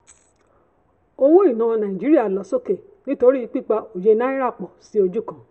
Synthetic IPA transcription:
o˧wo˦i˦˨nũ˨˦w̃ɔ̃˧nã˨ĩ˨d͡ʒi˨˦ɾi˦a˦˨lɔ˨so˦˨ke˨ | nĩ˦to˧ɾi˦˧˦k͡pi˦˨k͡pa˧o˨je˧nã˦ĩ˦ɾa˦˨k͡pɔ˨si˦o˧d͡ʒu˦˨kã˨

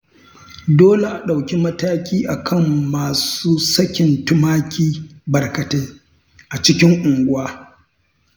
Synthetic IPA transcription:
doː˦le˨ʔa˨ɗa˨wkʲi˦mɐ˦taː˦kʲiː˦ʔa˨kʰɐ˦mːaː˨suː˦sɐ˦kʲɪ˨ntʊ˦maː˦kʲiː˦bɐ˨rkɐ˨teː˦ | ʔa˨t͡ʃɪ˦kʲɪ˦ŋʔʊ˨ŋɡʷʊ˦aː˦

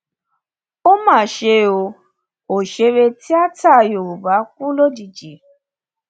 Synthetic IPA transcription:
o˦ma˨ʃe˧˦o˧ | o˨ʃe˧˦we˧ti˦a˦ta˦˨jo˨u˨ba˨˦k̚u˦lo˦d͡ʒi˨d͡ʒe˨

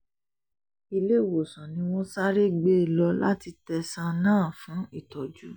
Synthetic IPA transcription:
i˧le˦˨wo˨sã˨nĩ˧˦w̃ɔ̃˦sa˦ɾi˦ɡ͡be˦˨lɔ˧la̰˦ti˧tɛ˧sã˧nãː˦˨fũ˨˦i˦˨tɔ˨d͡ʒu˨˦

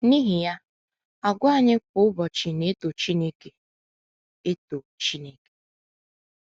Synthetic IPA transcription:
ni˦ɦi˨ja˦ | a˨ɡʷʊ˦a˦˨ɲɪ˦k̚ʊ˦ʊ˦bɔ˨t͡ʃɪ˨ne˦to˨t͡ʃi˦ne˦ke˨ | e˦to˨t͡ʃi˦ne˦ke̥˨

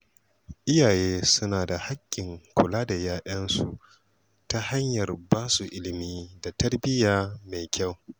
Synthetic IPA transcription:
ʔɪ˦jaː˨jeː˦sʊ˦naː˨da˨ha˦kʲʼːɪ˨ŋkʷʰʊ˨laː˦da˨jaː˦ʔɐ˦nsu˨ | ta˦ha˦ɲjɐ˨rbaː˦su˨ʔɪ˦lɪ˨miː˦da˨tɐ˦rbɪ˦jaː˦ma˨jkʲʰa˦˨w

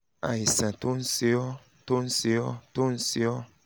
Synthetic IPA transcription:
a̰˨i˨sã˨t̪o˦n̩˦si˦ɔ˦ | t̪o˦n̩˦si˦ɔ˦t̪o˦n̩˦si˦ɔ˦

